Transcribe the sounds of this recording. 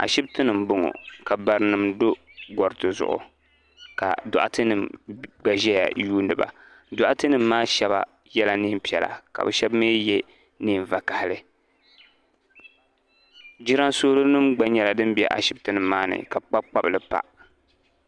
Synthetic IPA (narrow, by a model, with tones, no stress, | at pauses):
a̰˨ʃɪ˦btɨ˦nɨ˨m̩bʊ˦ŋo̰˨ka˨ba˨ɾɨ˨˦nɨ˨mdo˦ | ɡɔ˨ɾɨ˦tɨ˨zʊ̰˨ʔʊ̰˨ | ka̰˨dʊ̰˨ʔa̰˦tɨ˦nɨ˨mɡ͡ba˨ʒɛ˦ja̰˨juː˦nɨ˨ba̰˨ | dʊ˨ʔa˦tɨ˦nɨ˨mːaː˦ʃɛ˦ba̰˨ | jɛ˦la˨niː˦mpi˨ɛ˨la̰˨ka̰˨bɨ˨ʃɛ˦bmeː˦jɛ˦ | niː˦˨ɱ˨va˨ka˨hɪ˨lɨ˨ | d͡ʒi˦ɾa˦nso˦lɨ˦nɨ˦mɡ͡ba˦ɲɛ˨la˨dɨ˦mbɛ̰˨ʔa̰˨ʃɪ˦btɨ˦nɨ˨mːaː˦nɨ̰˨ka˨k͡pa˦k͡pa˦blɨ˨pa̰˨